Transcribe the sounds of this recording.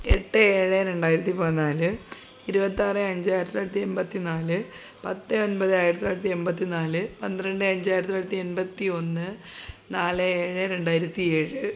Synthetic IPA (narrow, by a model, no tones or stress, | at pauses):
eʈːɨeːɻeɾe̞ɳɖaːjɾɐt̪ːipɐnaːlɨ | iɾubɐt̪ːiarɨɐɲd͡ʑaːjɾɐt̪ːlaːjɾɐt̪ːiembɐt̪ːinaːlɨ | pɐt̪ːɨonbɐðɨaːjiɾɐt̪ːilaːjɾɐt̪ːie̞mbɐt̪ːinaːlɨpɐnd̪iɾɐɳɖɨɐɲd͡ʑaːjiɾɐt̪ilaːjɾɐt̪ːie̞nbɐt̪ːio̞nːɨ | naːlɨeːɻeɾe̞ɳɖaːjiɾɐt̪ːie̞ːɻɨ